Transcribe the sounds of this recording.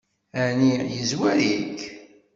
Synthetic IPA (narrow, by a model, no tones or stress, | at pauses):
ænijəzwæɾik